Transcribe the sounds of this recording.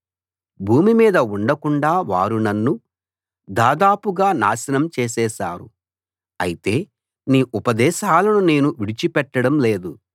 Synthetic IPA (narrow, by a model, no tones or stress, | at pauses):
bʱuːmimiːd̪ɐuɳɖɐkuɳɖaːʋaːɾunɐnːu | d̪aːd̪aːpuɡaːna̰ːsɐnɐmt͡ʃeːsɛːʃaːɾṵ | ɐ̰jit̪e̞ː | niːʔupɐd̪ɛːʃaːlɐnune̞ːnuʋiɽit͡ʃipɛʈːɐɽɐmle̞ːd̪u